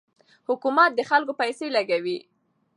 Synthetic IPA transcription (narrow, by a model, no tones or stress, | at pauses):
hʊkumat̪̚d̪əxalkopajselaɡawi